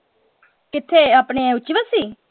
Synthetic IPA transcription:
kɪt̪ʰːeːaːpɳẽːʊt͡ʃːiʋəsiː

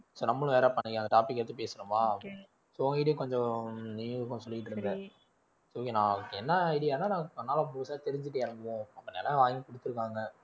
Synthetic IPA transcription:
soːnɐmːɐɭʊ̃ʋeːɾapɐnːɪŋkːɐnd̪ɐʈaːpɪkːɛɾɐt̪ːɯpeːsɯnɯmaː | soːɐɡɐɪʈ̬ːɐjẽkɔɲd͡ʒɔ̃niːʋɯkːʊ̃sɔlːɪkɪʈ̬ːɯɾɯnd̪ɛ | soːnãːɛnːɐɪɽɪjaːnːaːnãːɐnːaːlɐboːsaːt̪ɛɾɪɲd͡ʒɪʈ̬ːeɐɾɯmɡɐʋõɐpːɐnḛːlɐʋaːjŋɡɐkɔɽɯt̪ːɯɾɯkːaːŋɡɐ

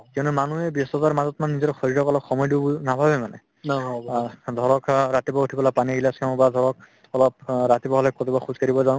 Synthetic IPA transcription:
kɛʊnumanuɛbjɔsɔzaɹmazɔtmanːizɔtɔxɔɹiɹɔkɔlɔpxɔmɔjdubunabʱabɛmanɛ | d̪ʱɔɹɔkɹat̪ibɔutʰibɔlapaniɡilaskãɔbad̪ʱɔɹɔk̚ | ɔlɔp̚ɹat̪ibɔɦɔlɛkɔtibɔxuzkaɹibɔzaw̃ʊ̃

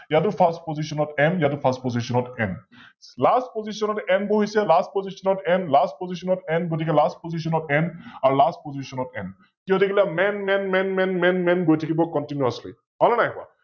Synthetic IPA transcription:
jatʊpʰastpozisɔnɔtɛmjatupʰastpɔzisɔnɔtɛn | lastpozisɔnɔtɛnboɦisɛlast̚pozisɔnɔtɛnlast̚pozis̬ɔnɔtɛnɡotikɛlast̚pozis̬ɔnɔtɛnaɹulast̚pozisɔnɔtɛn | kiɔ̃dekilamɛnmɛnmɛnmɛnmɛnmɛnɡojtʰakibɔkɔntinuaslḭ | ɔlɔnajkʊa̰

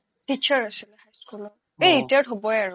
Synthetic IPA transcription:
tit͡ʃʰɔɹasilɛhajskulɔ | eɹitatɦobɔjaɹʊ

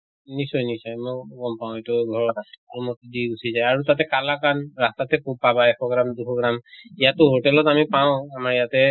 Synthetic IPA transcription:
nisɔjnisɔjmɔjɡɔmpaʊ̃etuɡʱɔɹɔaɔmɔtdiɡusizajaɹutatɛkalakanɹastatɛkub̚pabaɛkʰɔɡɹamduxʰɔɡɹamijatʊɦotɛlɔtamipaʊ̃amaɹijatɛ

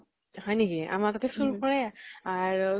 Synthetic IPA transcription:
hɔjnikia̰matatʰɛsuɹupɔɹɛaɹ

